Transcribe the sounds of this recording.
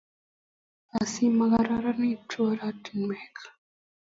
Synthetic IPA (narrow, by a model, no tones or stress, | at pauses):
asimaɣaɾaɾanit͡ʃoɾatinmekʰḁ